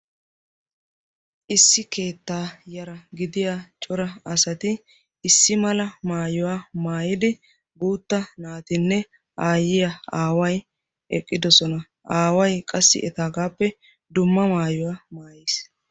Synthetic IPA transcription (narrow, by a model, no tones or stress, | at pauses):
ʔɪsːɪke̞ːt̪ːaːjɐɾɐɡɪd̪ɪjat͡ʃʼɔɾɐɐsɐt̪ɪː | sːɪmɐlɐmaːjɔwaːmaːjɪd̪ɪ | buːt̪ːɐnaːt̪ɪnːɛ | ʔaːjɪjaaːwɐj | ʔɛkʼːɪd̪ɔsɔnɐ | ʔaːwɐjkʼɐsːɪ̰ʔɛt̪aːɡaːpːɛ | d̪ʊmːɐmaːjɔwaːmaːjis